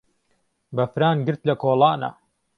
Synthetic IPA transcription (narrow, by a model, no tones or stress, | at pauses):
bɐfɾaːnɡɨɾt̪lɐkʰoːlˠɑːnɐ̰